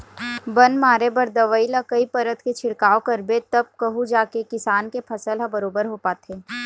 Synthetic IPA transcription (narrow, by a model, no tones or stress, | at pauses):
bɐnmaːɾebɐɾd̪ɐʋəilakɐipɐɾət̪ʰket͡ʃʰɪɽkaːokɐɾbet̪ɐb̚kɐɦud͡ʒaːkekɪsaːnkepʰɐsəlɦɐ̃bɐɾoːbəɾɦoːpaːt̪ʰeː